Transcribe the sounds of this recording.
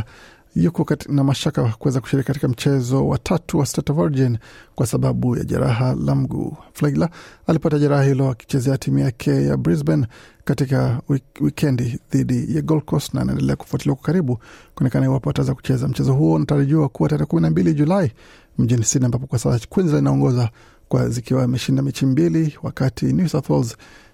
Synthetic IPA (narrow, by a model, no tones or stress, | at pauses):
jukɔnamaʃakakuwɛzakuʃiɾikikatikam̩t͡ʃɛzɔwa̰tʰatuwastatvaɾd͡ʒinkwasaɓaɓuja̰ʄa̰ɾaɦala̰m̩ɡṵflalaalipataʄaɾahahilɔaki̥t͡ʃɛzɛatʰimujakʰɛja̰bɾizbɛnkatikawikʰɛndiðiɗijaɡɔlkɔsna̰ːna̰ɛ̰ndɛlɛaku̥fuatiliwakwakaɾiɓukuɔnɛkanahiwapɔataɛzaku̥t͡ʃɛzam̩t͡ʃɛzɔɦuɔunataɾiʄuakuwataɾɛːɛkuminambiliʄulai | m̩ʄinisiniambapɔkwasaskwinzilainaɔŋɡɔza | kwa̰zikiwamɛʃindamɛt͡ʃimbiliwakatʰinjusaθwɛlz